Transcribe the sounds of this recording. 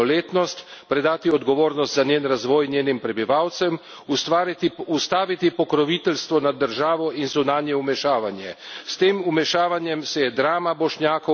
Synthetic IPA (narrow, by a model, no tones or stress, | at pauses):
ɔleːt̪nɔst̪pɾɛd̪aːt̪iɔd̪ɡɔʋoːɾnɔst̪zanjeːnɾazʋɔːjnjeːnimpɾɛbiʋawt̪sɛm | ust̪aːʋit̪ipɔkɾɔʋit̪ɛlst̪ʋɔnad̪ːəɾʒaːʋɔinzunaːnjɛumɛʃaːʋanjɛ̰st̪eːmumɛʃaːʋanjɛmsɛjɛd̪ɾaːmabɔʃnjaːkɔ